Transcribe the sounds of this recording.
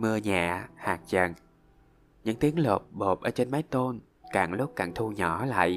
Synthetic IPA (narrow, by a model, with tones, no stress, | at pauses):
mɨ˧əɲa̰ː˧˨haː˨˩k̚zə˨˩ŋ | ɲɨ̰˧˥ŋt̪i˨˦əŋlo˨˩p̚ɓo˨˩p̚ʔəː˧˩t͡ɕe˧nmaː˨˦jt̪o˧n | kaː˧˩ŋlʊ˦˥p̚kaː˧˩ŋt̪ʰu˧ɲɔ˧˩˦la̰ː˧˨jʔ